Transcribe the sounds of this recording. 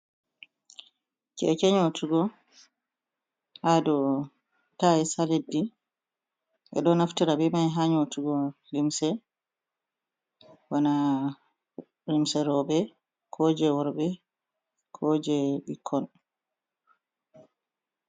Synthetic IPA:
kɛ̰kɛɲotʰuɡɔ | hadɔ | taisaledːi | ʔɛ̰ɗɔnaftiɾabɛmajɦaɲotuɡɔlimsɛ | wana | limsɛɾɔɓɛ | kʰɔd͡ʒɛwɔɾbɛ | kʰɔːd͡ʒɛɓikʰːɔn

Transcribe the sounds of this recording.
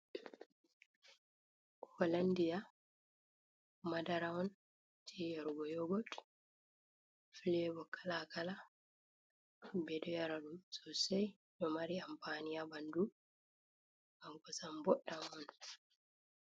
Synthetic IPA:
ɔlandija | madaɾaɔn | tʰijaɾuɡɔjɔɡɔt | filɛbɔkalakala | bɛdɔjaɾaɗumsɔsɛj | nɔmaɾiampanijabandu | ɡaŋkɔsambɔɗːamɔn

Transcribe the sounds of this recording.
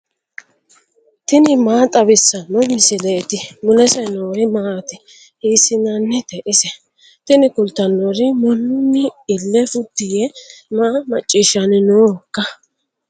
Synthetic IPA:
t̪ɪnɪmaːt̪ʼɐbɪsːɐnːɔmɪsɪleːt̪ɪmʊlɛsɛnoːɾɪmaːt̪ɪ | hiːsɪnɐnːɛt̪ɛʔɪsɛ | t̪ɪnɪkʊlt̪ːɐnːoɾɪmɔnːʊnːɪɪlːɛfʊt̪ːɪjɛmaːmɐt͡ʃʼːiːʃɐnɪnoːkːɐ

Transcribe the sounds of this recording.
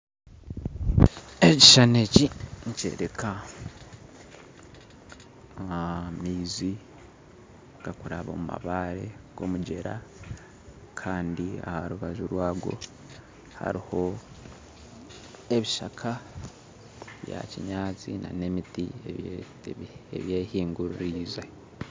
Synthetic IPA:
eciʃaneciɲce̞̰ːɾeka | mizi | ɡakuɾaβomuma̰βaːɾe̞ɡ̥o̞muɟe̞ɾa | kʰaːndia̰haɾuβaʒuɾwaːɡwo̞̰ | ha̰ɾiho̞ | e̞βiʃakʰa | βja̰ciɲaːt͡sinʔane̞mitie | eβje̞ːhiːŋɡuɾuɾiːze

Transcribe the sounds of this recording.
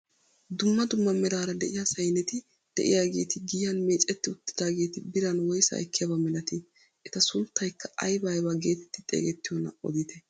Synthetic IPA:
d̪ʊmːɐd̪ʊmːɐmɛɾaːɾɐd̪ɛʔɪjaːsɐjnɛt̪ɪ | d̪̥ɛ̰ʔɪ̰jaːɡe̞̰ːt̪ɪɡɪːjjɐnme̞ːt͡ʃʼɛt̪ːɪʊt̪ːɪ̥d̪aːɡe̞ːt̪ɪbɪɾɐnwɔjsɐ̰ːɛkːɪjɐbɐmɛlɐt̪ɪ | ʔɛt̪ɐsʊnt̪ːɐjkʰːɐʔɐjbɐjbɐɡeːt̪ɛt̪ːɪt̪ʼḛːɡɛt̪ːɪjɔnːɐ̰ʔɔ̰d̪ɪt̪ɛ

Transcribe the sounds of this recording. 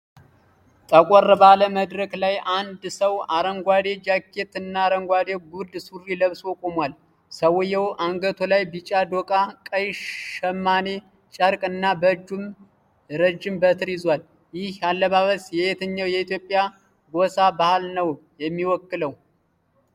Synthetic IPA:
t̪ʼəkʷʼɔrːəbaləməd̪ɾəklajʔand̪səwaɾəŋɡʷad̪e̞d͡ʒakʰːe̞t̪ɨnːaːɾəŋɡʷad̪eɡuɾd̪suriləβswɔkʼomwal | səwʊjɛwʔaŋɡət̪ʰolajbit͡ʃʼad̪okʼakʼəjʃəmːane̞ | t͡ʃʼəɾkʼɨnːabəd͡ʒːum | ɾəd͡ʒːɪmbət̪ʰɨɾjɪzwal | jɪhjalːəβaβəsjɛjet̪ʰəɲːawjɛit̪ʰjo̞pʼːja | ɡosabahlnəw | jɛmːiwɔkːɨləw

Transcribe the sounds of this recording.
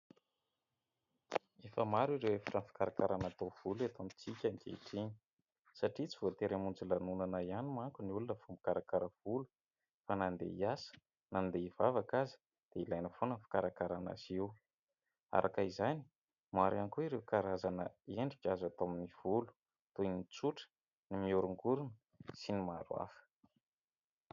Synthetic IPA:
efəmaɾuiɾewefḁʈ͡ʂənfi̥kaɾakaɾanat̪ov̥ulat̪omit͡sikʲaŋkḛiʈ͡ʂeɲi̥ | saʈ͡ʂit͡sivot̪eɾemund͡zulanunanaianimaŋkuniulinəfumbikaɾakaɾəv̥ulu̥ | fanand̪ḛiasə̥ | nand̪eivavakazi̥ | d̪̥eilajnəfonəfḁkaɾakaɾana̰siw | a̰ɾʔakaizani̥ | maɾankuiɾewkaɾazanəeɳɖ͡ʐikʲazat̪aminiv̥ulu̥ | t̪ujnit͡suʈ͡ʂə̥ | nimiuɾuŋɡuɾun | sinimaɾwa̰fə̥

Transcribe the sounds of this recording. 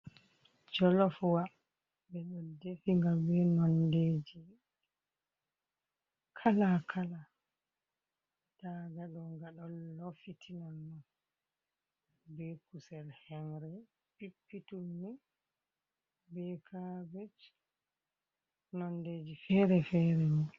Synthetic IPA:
d͡ʒɔlɔfwa | bɛɗɔdefiŋɡabɛnɔnded͡ʒi | kʰalakʰala | taɡaɗɔŋɡaɗɔlːofitʰinɔnːɔn | bɛkusɛlhɛnɾɛ | pipːitunːi | bɛkʰabɛd͡ʒ | nɔndeːd͡ʒifɛɾɛfɛɾɛni

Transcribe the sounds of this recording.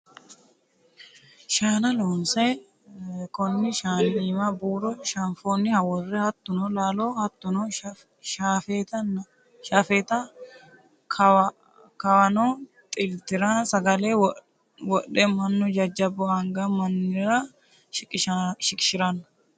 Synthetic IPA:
ʃaːnɐluːnse | kɔnːɪʃaːniːmɐbuːɾɔʃɐɱfoːnːɪhɐwɔrːɛhɐt̪ːʊnɔlaːloːhɐt̪ːʊnɔ | ʃaːfeːt̪ɐn | ʃaːfeːt̪ɐ | kʰ | kɐwɐnoːt̪ʼɪlt̪ɪɾasɐɡɐleːw | wɔɗɛmɐnːɔd͡ʒɐd͡ʒɐbɔɐŋɡɐmɐnːɪɾɐ | ʃɪkʼːɪʃʃɪkʼɪ̥ʃɪɾɐnːɐ̥

